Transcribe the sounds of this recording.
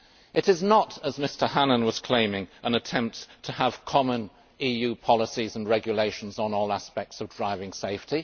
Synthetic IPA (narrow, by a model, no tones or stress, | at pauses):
ʔɨɾɨznəɾəzmɪstə˞hænə̃nwʌz̥kʰl̥ẽɪ̃mɪ̃ŋʔə̃nɨtʰɛ̃mp̚ttʰəːv̥kʰɑmə̃n | ijʉpʰɑlˠəsizə̃n̩ɹɛɡjəleɪʃn̩zn̩ɔlˠæspɛk̚tsʌvdɹaɪvɪ̃ŋseɪfti